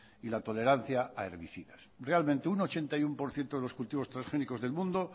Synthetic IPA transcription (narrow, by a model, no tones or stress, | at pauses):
ilat̪o̞leɾan̟θjaaeɾβiθiðasrealmẽnt̪euno̞t͡ʃe̞nt̪ajumpo̞ɾθje̞nt̪o̞ðe̞lo̞skult̪iβost̪ɾasxe̞niko̞zðe̞lmũnd̪o